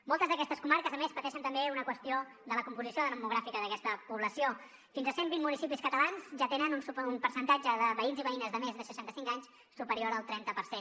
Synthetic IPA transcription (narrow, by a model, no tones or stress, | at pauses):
molˠt̪əzðəkɛst̪əskumaɾkəzəmespət̪ɛʃənt̪əmbeunəkwəst̪io | ðələkumpuzisioðənəmːuɣ̞ɾafikəðəkɛst̪əpuβləsio | finzəsembinmunisipiskət̪əlanzʒat̪enənunsumpəɾsənt̪ad͡ʒəðəβəinziβəinəzðəmezðəsəʃant̪əsiŋkaɲs | supəɾioɾəlˠt̪ɾɛnt̪əpəɾsen